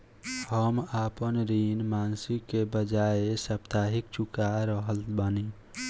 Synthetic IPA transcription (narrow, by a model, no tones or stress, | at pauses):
həmaːpənɾinmaːnsikːebəd͡ʒaesəpt̪aːɦɪkt͡ʃʊkaɾəɦəlbani